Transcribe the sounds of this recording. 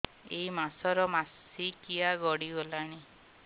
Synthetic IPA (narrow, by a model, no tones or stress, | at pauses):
eimasɔɾɔmas | ikiaɡɔɽiolaɽ̃i